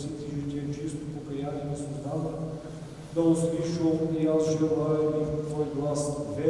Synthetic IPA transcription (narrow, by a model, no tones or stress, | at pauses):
sit̪iʒit̪ʲiɛt͡ʃist̪ʊpokɐjanʲinɐsod̪at̪ə | d̪ɐʊsliʃəlˠiasʒɛlˠaɛmit̪vɔjɡlˠasvɛ